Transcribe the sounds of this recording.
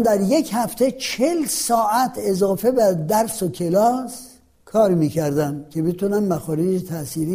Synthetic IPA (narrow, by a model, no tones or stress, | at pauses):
d̪æɾje̞khæft̪ʰe̞t͡ʃʰelsɒːʔæt̪ʰe̞zɒːfe̞bæd̪æɾsokʰe̞lɒːs | kʰɒːɾmiːkʰæɾd̪æmcʰe̞bet̪unæmːæxɔːɾiːd͡ʒt̪ʰæsiːɾi